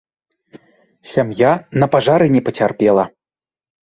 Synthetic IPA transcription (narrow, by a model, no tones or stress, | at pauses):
sʲamjanɐpaʐaɾɨnʲɛpət͡sʲarpʲɛlˠɐ